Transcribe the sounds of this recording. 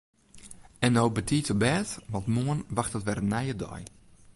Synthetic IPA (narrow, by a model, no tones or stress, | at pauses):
ɛnːowbətʰiːtəbɛːtʋɔtmoənʋaxtətʋɛrənɛjədɔ̰j